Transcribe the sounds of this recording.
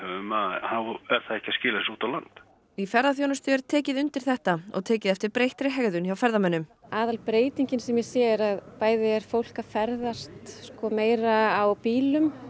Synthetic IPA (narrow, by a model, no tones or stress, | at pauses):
hɛvʏmahawɛɾ̥θaðɛhcːḁscɪːlasuːt̪awlant̪ | ifɛɾðaθjoːnʏst̪ʏɛɾ̥t̪ʰɛːcɪðʏnt̪ɪɾ̥θɛht̪aɔ̰ɣt̪ʰɛːcɪðɛft̪ɪɾpɾejht̪ɾɪɦɛɣðʏnçawfɛɾðamɛnːʏmaːðalpɾeːjt̪iɲcɪnsɛmjɛsjɛːɪɾaðpaːjðɪɛɾ̥fowl̥kafɛɾðast̪skɔmeːjɾaːwpiːlʏm